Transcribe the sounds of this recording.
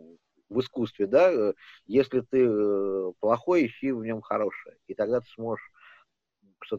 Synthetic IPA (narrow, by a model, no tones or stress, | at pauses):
vɨskust̪vʲɪd̪ajesʲlʲɪt̪ɨ | plˠɐxo̞jɪɕivnʲo̞mxɐɾo̞ʂɨjəit̪ɐɡ̚d̪at̪ɨ̥smo̞ʐɨʂ | ʂt̪o